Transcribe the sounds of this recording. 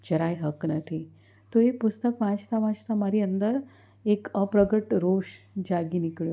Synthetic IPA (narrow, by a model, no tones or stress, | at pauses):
d͡ʑəɾajɦəknət̪ʰi | t̪oɦepust̪əkʋãt͡ʃt̪aʋãt͡ɕt̪amaɾiənd̪əɾ | ekəpɾəɡəʈɾoɕ | d͡ʑaɡinikɭjo